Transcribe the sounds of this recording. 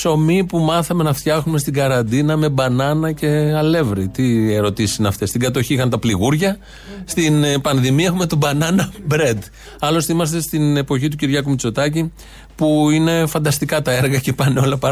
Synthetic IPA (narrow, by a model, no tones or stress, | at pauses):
so̞mipumɐθɐme̞nɐft̪çɐxume̞st̪iɡɐɾɐnd̪inɐme̞bɐnɐnɐce̞ɐle̞vɾit̪ieɾo̞t̪isisinɐft̪e̞st̪iŋɡɐt̪o̞çiixɐnt̪ɐpliɣuɾʝɐ | st̪inpɐnðimiɐexume̞t̪obɐnɐnɐbɾe̞d̪ | ɐlo̞st̪imɐst̪e̞st̪ine̞po̞çit̪uciɾʝɐkumit͡so̞t̪ɐci | puine̞fɐnd̪ɐst̪ikɐt̪ɐeɾɣɐce̞pɐneo̞lɐpɐ